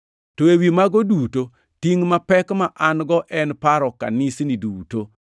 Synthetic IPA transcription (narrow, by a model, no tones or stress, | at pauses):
toewimaɡɔduto | tiŋmapɛkmaʔanɡɔʔɛnpaɾɔka̰nisniduto